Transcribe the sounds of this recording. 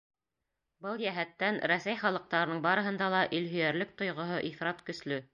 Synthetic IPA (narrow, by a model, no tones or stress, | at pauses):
bɤlˠjæɦæt̪ːænɾæsæjχɑlˠɤ̆q̚t̪ɑɾɤnɤɴbɑɾɤ̆ɦɤ̆nd̪ɑlˠɑʔɵlɦɵ̆jæɾlɘk̚t̪ŏjʁŏɦoʔiθɾɑt̪kɵ̆slɵ